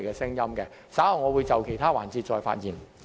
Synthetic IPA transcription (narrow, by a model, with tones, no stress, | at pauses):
jkɛː˧sɪ˥ŋjɐ˥mkɛ˧ | saː˨˥hɐ˨wŋɔː˨˧wuː˨˧jt͡sɐ˨wkʰe˨˩jt̪ʰaː˥waː˨˩nt͡siː˧t̚t͡ʃɔː˧jfa̰ː˧t̚jiː˨˩n